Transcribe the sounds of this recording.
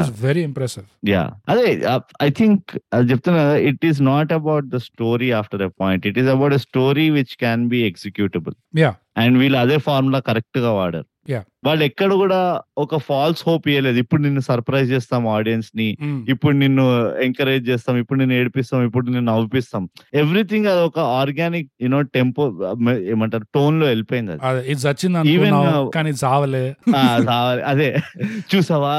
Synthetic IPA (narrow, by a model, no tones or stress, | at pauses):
ʋeɾiɛmpɾɛsiʋja̰ːɐd̪eɐjt̪ʰiŋkt͡ʃep̚t̪unːaiʈiznaːʈɐbawʈ̚d̪ɐsʈoːɾiaːpʰʈɐɾepɔːjɳʈiʈizɐbɐwʈesʈoːɾiʋit͡ʃkɛnbiːeksikjuːʈebɐlja | ɐɳɖʋiːlɐɐd̪eːpʰaːɾmloːkɐɾek̚ʈɡaːʋaːɽa̰ːɾuja | ʋaːɭːɐɛkːɐɽɐkuːɽaːɔkɐpʰaːlsho̞ːpijɐleːd̪uipːuɽuninːusɐɾpɾɐjzt͡ʃɛːst̪aːmaːɖijɐnsniːpːuɽunenːueŋkɐɾeːd͡ʒt͡ʃɛːst̪aːmipːuɽunenːueːɽipist̪aːmipːuɽunenːɐʋipist̪aːme̞ʋɾit̪ʰiŋɡad̪ɔkɐaːɾɡaːnik̚junoːʈempmeːmaɳʈɐɾʈo̞ːnlo̞ːelipoːjind̪ɐ̰ɐd̪iɐt͡ʃːinɐiːʋennakaːniːd͡ʒaːʋɐleaːd͡ʒaːʋɐlḛʔɐd̪et͡ʃuːsaːʋaː